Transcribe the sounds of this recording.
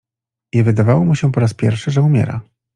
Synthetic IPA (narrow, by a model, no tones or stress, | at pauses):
ɛvɘd̪avawɔmuɕɛpɔɾaspʲjɛ̰ɾfʂɘʐɛumʲjɛ̰ɾa̰